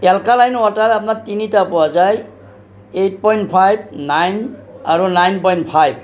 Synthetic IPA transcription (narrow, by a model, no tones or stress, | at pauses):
talkalajnwataɾap̚natinitapɔwazaj | ejt̚pɔjnt̚pʰajb̚najnaɹunajnpɔjntpʰajb̚